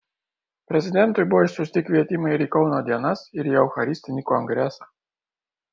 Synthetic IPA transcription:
pɾʲezʲid̪ʲent̪ujʲbojʃsusʲt̪ʲikvʲiɛt̪ʲiməiɾʲikownod̪ʲianasiɾʲiawxaɾʲisʲt̪inʲikuaŋɡɾʲasḁ

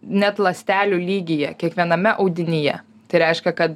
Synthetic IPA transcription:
nʲɛt̪lˠɐsʲt̪ʲæːlʲuːlʲiːɡʲɪjɛkʲiɛkʋʲiɛnɐmʲɛʔɐʊd̪ʲɪnʲɪjɛ̰ | t̪ɐɪɾʲɛɪʃʲkʲɛkɐt̪

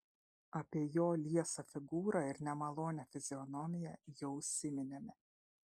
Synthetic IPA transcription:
ɐpʲiɛjoːlʲiɛsɐfʲɪɡuːɾɑɪɾnʲɛmɐlˠoːnʲɛfʲɪzʲɪɔnɔmʲɪjɛjɛʊsʲɪmʲɪnʲemʲɪ

